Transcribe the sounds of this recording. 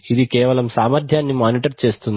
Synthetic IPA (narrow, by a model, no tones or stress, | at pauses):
id̪ikɛːʋɐlɐmsaːmɐɾd̪ʱjaːnːimaːniʈɐɾt͡ʃe̞ːst̪un